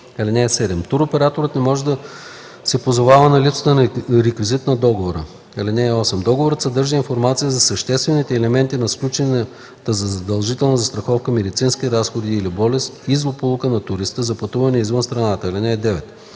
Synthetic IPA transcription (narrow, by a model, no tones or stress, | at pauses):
ɐlinɛːsɛd̪ɛmt̪uɾopɛɾat̪oɾət̪nɛmɔʒɛd̪ɐ | sɛpozovavɐnɐlipsə̥t̪ənɾɛkvizit̪nɐd̪ɔɡovoɾə̰ | ɐlinɛːɔsɛmd̪ɔɡovoɾət̪sɐd̪ɤɾʒəinfoɾmat̪sijəzɐsɐʃt̪ɛst̪vɛnit̪ɛːlɛmɛnt̪inɐsklʲut͡ʃɛnɛ | t̪əzɐzɐd̪ɐlˠʒit̪ɛlˠnɐzɐst̪ɾɐxɔfkəmɛd̪it̪sinskʲiɾasxod̪iːlibɔlɛst̪izlˠopulˠʊkənɐt̪ʊɾist̪əzɐpɐt̪uvɐnɛizvənst̪ɾɐnat̪əɐlinɛːd̪ɛvɛt̪